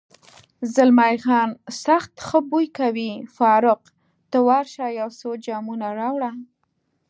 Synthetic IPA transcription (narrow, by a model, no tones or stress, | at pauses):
zəlmajɣɑnsaxt̪xəbujkawifɑɾʊq | t̪əwɑɾʃɑjawsod͡ʒɑmunaɾɑwɽa